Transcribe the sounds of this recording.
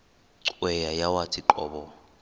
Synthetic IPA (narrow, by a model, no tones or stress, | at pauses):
ǀwɛjajawat͡sʰʼiǃɔ̰ːbɔ